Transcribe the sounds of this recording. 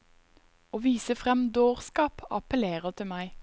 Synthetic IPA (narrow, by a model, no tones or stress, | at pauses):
oːʋiːsəfʁɛmd̪oːʁskɑːpɑ̰pəleːʁət̪ʰɪmæɪ